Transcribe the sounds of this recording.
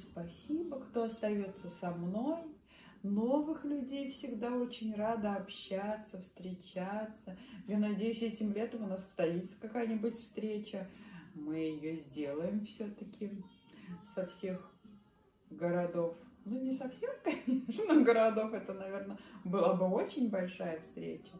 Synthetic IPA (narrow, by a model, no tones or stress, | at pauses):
spɐsʲibəkt̪o̞ɐst̪ɐjo̞t̪sːəsɐmno̞j | no̞vɨxlʲʉdʲejfsʲɪɡd̪ao̞t͡ɕɪnʲrad̪əɐpɕːat̪sːəfst̪ɾʲɪt͡ɕat̪səjanɐdʲejʉsʲɛtʲɪmlʲet̪əmʊnasst̪ɐit̪sə̥kɐkajənʲɪbʊtʲfst̪ɾʲet͡ɕəmɨɪjozʲdʲe̞lˠəjɪmfsʲɵt̪əkʲʰɪ | sɐfsʲe̞x | ɡəɾɐd̪o̞fnunʲɪsɐfsʲexkɐnʲeeʂnəxɡəɾɐd̪o̞fɛt̪ənɐvʲe̞rnəbɨlˠabɨo̞t͡ɕɪnʲbɐlʲʂajəfst̪ɾʲḛt͡ɕə